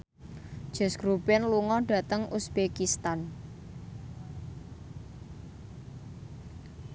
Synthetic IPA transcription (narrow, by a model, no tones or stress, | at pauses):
d̥ʒ̥ɛ̤sɡ̥ɾubɛnluŋɔɖ̥ä̤t̪əŋʔusb̥ekist̪an